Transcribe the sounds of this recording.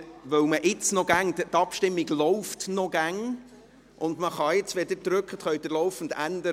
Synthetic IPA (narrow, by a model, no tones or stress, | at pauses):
ʋœwməʔɪt͡snɔɡæŋt̪ɑpʃtɪmːiɡlɔwft̪nɔɡ̥æŋ | ʔʊndməχɑɪt͡sʋed̪əɾd̪ɾɵkʰχət̪χœɥd̪əlɔwfən̩d̪ændə